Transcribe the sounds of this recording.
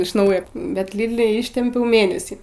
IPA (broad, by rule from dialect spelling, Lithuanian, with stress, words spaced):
ɪʃ ˈnɐʊjoː bʲɛt ˈlʲiːdʲlʲɪ ˈɪʃʲtʲɪmʲpʲɛʊ ˈmʲeːnʲɛsʲiː